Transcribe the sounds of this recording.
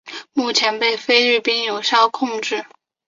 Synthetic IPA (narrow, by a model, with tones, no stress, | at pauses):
mu˥˩t͡ɕʰjɛ˧˥npe˥˩ɪfe˥ɪly˥˩pi˥ŋjo˨˩ʊɕjɑ˥˧ʊkʰʊ˥˧ŋʈ͡ʂɻ̩˥˩